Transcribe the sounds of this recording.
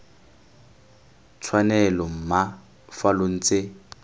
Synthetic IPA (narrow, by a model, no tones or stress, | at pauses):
t͡sʰwanɛlɔm̩ma | falʊn̩t͡sʼɪ